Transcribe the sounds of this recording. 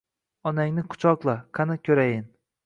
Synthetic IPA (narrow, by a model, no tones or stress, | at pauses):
ɒnaŋnɪqʰʊ̥t͡ʃʰɒqlˠaqʰɑnakʲʰɵɾajɪn